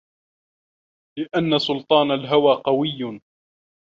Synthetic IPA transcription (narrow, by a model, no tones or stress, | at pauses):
lɪʔanːasʊlt̪ˤɑːnalɦawaːqɑwɪjː